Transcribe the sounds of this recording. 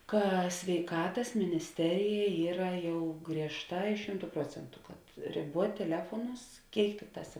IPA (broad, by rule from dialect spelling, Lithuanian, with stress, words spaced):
ˈkɐ sʲʋʲɛɪˈkɑːtɐs mʲɪnʲɪsʲˈtʲæːrʲɪjɛ ˈiːrɐ ˈjɛʊ ɡrʲiɛʃˈtɑː ɪ ˈʃʲɪmtʊ ˈpruɔt͡sʲɛntʊ kɐt rʲɪˈbuɔtʲ tʲɛˈlʲæːfuɔnʊs ˈkʲeːɪk ˈtʲɪkˌtɑːs